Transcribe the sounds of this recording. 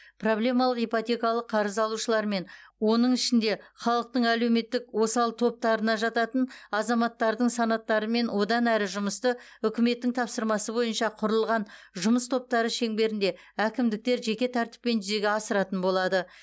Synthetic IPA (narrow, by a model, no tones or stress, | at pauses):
pʰro̞blʲe̞mɑlˠəqijpot̪ʲe̞kɑlˠəqʰːɑɾəzɑlˠuʃəlˠɑɾme̞nwo̞nəɴɪʃɪnd̪e̞χɑlˠəq̚t̪əɴæle̞wme̞t̪ːɪkwo̞sɑlˠt̪ʰo̞p̚t̪ɑɾənɑʒɑt̪ɑt̪ənɑzɑmɑt̪ːɑɾd̪əɴsɑnɑt̪ːɑɾəme̞nwo̞d̪ɑnæɾɪʒʊməst̪əʏkʲɪme̞t̪ːɪŋt̪ʰɑpsəɾmɑsəbo̞jənʃɑqʰʊɾəlˠʁɑnʒʊməst̪ʰo̞p̚t̪ɑɾəʃe̞ŋbe̞ɾɪnd̪e̞ | ækʲɪmd̪ɪk̚t̪e̞ɾʒe̞kʲe̞t̪ʰæɾt̪ɪ̥pːe̞nʒʏze̞ɡʲeɑsəɾɑt̪ənbo̞lˠɑd̪ə